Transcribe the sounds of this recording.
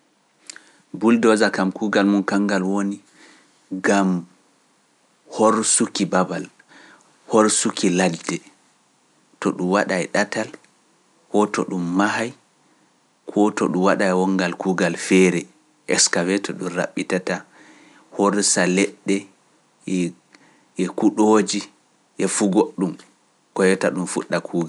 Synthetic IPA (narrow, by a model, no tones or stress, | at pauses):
buldɔzakamkuːɡalmunkaŋɡalwoni | ɡam | hoɾsukibabal | hoɾsukʰiladɛ | tɔɗumwaɗajɗatal | kɔtɔ̰ɗumːahaj | kʰɔtɔɗumwaɗajwɔŋɡalkuːɡalfɛɾɛ | ʔɛ̰kskavɛtʰɔɗumra̰ɓːitata | hoɾsalɛɗːɛ | ɛ | ʔɛkuɗoːd͡ʒi | ʔɛfuɡoɗːum | kɔjɔtaɗumfuɗːakʰuːɡa